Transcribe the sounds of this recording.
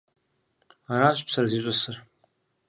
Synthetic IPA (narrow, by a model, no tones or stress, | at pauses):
aɾaɕʷʼpsɐraziɕʷʼɐsɨr